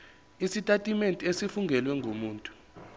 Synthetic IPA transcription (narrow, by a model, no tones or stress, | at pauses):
isitʼatʼimentʼesifuŋɡʱɛlwɛŋɡʱomuːntʼu̥